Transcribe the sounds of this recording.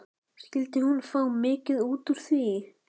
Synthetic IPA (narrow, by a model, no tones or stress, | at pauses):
scɪlt̪ɪhunfawmɪːcɪðuːt̪ʏɾ̥θvi